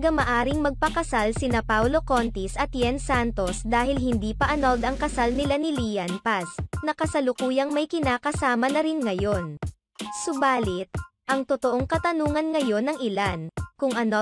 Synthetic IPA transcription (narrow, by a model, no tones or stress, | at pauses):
ɡɐmɐʔaːɾɪŋmɐɡ̚pɐkɐsalsɪnapawlo̞kont̪isʔɐt̪jɛnsant̪o̞sd̪aːhɪlhɪnd̪iːpɐʔɐnold̪ɐŋkɐsalnɪlanɪlijɐnpasnɐkɐsɐlʊkuːjɐŋmɐjkɪnaːkɐsaːmɐnɐɾɪnŋɐjo̞n | sʊbaːlɪt̪̚ʔɐŋt̪ot̪oʔoŋkɐt̪ɐnuːŋɐnŋɐjo̞nːɐŋɪlankʊŋʔɐn